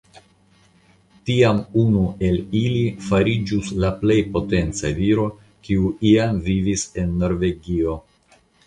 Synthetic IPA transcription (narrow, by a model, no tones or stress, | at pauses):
tiamunue̞lilifaɾid͡ʒuslaple̞jpo̞te̞nt͡saviɾo̞ | kiuiamvivise̞nːo̞ɾve̞ɡio̞